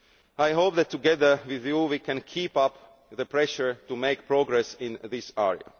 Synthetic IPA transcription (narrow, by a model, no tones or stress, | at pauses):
ajɦoʊpðɛtʰːuɡɛðə˞wɪðjuwikɛ̃nkʰipʌp | ðəpʰɹɛʃə˞tumeɪk̚pʰɹoɡɹɛsɪ̃nðɪsɛɹḭə̰